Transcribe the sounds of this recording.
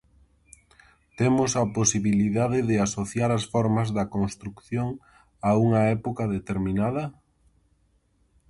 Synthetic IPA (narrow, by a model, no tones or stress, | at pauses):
t̪emʊsɐposiβiliðaðɪðɪasoθjaɾɐsfɔɾmɐzðɐkonst̪ɾukθjoŋ | auŋɐɛpokɐðet̪eɾminað̞ɐ